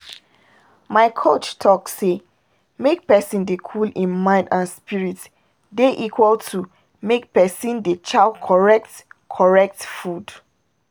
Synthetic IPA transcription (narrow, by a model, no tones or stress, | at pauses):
maɪkʰot͡ʃtʰɔksːe | mek̚pɛsĩndekʰulĩnmãɪ̃ndãnspiɹit | deʔikʰwəltʰu | mek̚pɛsĩndet͡ʃakʰɔɹɛk̚tkʰɔɹɛk̚tfud̥